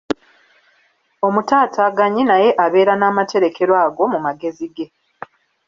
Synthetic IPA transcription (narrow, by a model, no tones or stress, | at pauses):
o̞mutaːtʰaɡaɲinaje̞ʔaβe̞ːɾanaːmatʰe̞ɾe̞kʰe̞ɾwaːɡo̞mumaɡe̞ziɡe̞